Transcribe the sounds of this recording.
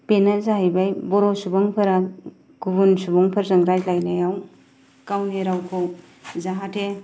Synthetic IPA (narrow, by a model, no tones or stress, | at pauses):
penazaɦajbajbɔɾosubɔŋpʰɐɾa | ɡ̥ubunsubɔŋpʰɐɾzɐŋɡɾajlajnajaw | kawneɾawkʰow | zaɦatʰe